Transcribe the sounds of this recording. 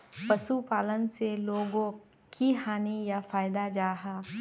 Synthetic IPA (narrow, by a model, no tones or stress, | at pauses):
pɐʃupaːlənseloːɡõ | kiɦaːnijafaːɪd̪ad͡ʒaːɦaː